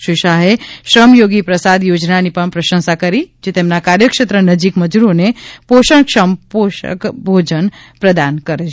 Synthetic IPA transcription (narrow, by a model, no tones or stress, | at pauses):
ʃiʃaɦeʃɾəmjoɡipɾəsad̪jod͡ʒnanipəɳpɾəʃə̃nsakəɾid͡ʒet̪emnakaɾjəkʃət̪ɾənəd͡ʒikməd͡ʒuɾonepoʃə̃ŋkʃəmpoʃə̰kbʱod͡ʒən | pɾəd̪ankəɾet͡ʃʰ